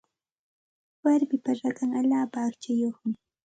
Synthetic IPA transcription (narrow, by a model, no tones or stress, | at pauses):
waɾbɪpaɾakaŋaʎaːpaːkt͡ʃajoχmɪ